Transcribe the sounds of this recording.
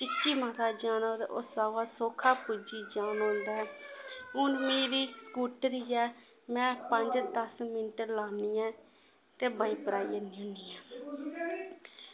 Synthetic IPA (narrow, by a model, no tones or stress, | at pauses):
t͡ʃɪt͡ʃʃiːmat̪ʰaːd͡ʒaːnãːd̪a̰ːʔoːsaːʋaːsoːkʰaːpuːd͡ʒiːd͡ʒaːnãːnd̪aːɛːʊnmeːɾiːskuːʈɾiːɛː | mɛ̃ːpəɲd͡ʒd̪əsmɪnʈəɾlaːniːãː | t̪eːbəiːpəɾaːiənɪʊ̃niːaː